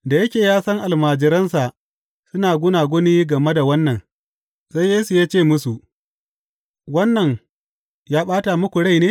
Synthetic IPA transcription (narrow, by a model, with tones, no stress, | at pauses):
da˨jɐ˦kʲeː˨jaː˦sɐ˦ŋʔa˨lmaː˨d͡ʒɪ˨˦ɾɐ˦nsa˨ʔ | sʊ˦naː˨ɡʷʊ˦naː˨ɡʷʊ˦niː˦ɡɐ˨me˦da˨wɐ˦nːɐ˨n | sa˦jeː˦su˨jaː˦t͡ʃeː˦˨mʊ˦su˨ʔ | wɐ˦nːɐ˨ŋ | jaː˦ɓaː˦ta˨mʊ˦kʷu˨ɽa˦˨jneː˦